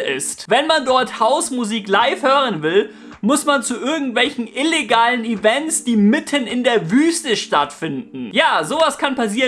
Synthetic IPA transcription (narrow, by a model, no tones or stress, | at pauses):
ʔɪ̰stvɛnmandɔɐthaʊsmuziːklaɪfhøːʁ̞ənvɪl | mʊsmant͡suʔɪɐɡŋ̩tv̥ɛlçn̩ʔɪleɡaːlənivɛnsd̥iːmɪtʰənɪndeːɐvyːstəʃtatfɪndn̩jaːzoːvaskʰanpas̬iː